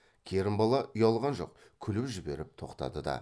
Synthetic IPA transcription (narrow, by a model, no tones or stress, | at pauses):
kʲʰe̞ɾɪmbɑlˠɑʔʊjɑlˠʁɑnʒo̞̰q̚ | kʲʰʏlɪwʒɪbe̞ɾɪp̚t̪ʰo̞qt̪ɑ̰d̪əd̪ɑ̰